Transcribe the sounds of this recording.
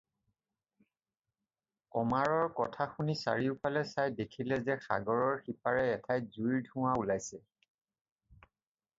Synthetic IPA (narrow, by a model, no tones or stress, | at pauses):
kɔmaɹɔɹkɔtʰaxunisa̰ɹiʊpʰalɛsajdekʰilɛzɛxa̰ɡɔɹɔɹxipaɹɛːtʰajzujɹdʱʊ̃waulajsɛ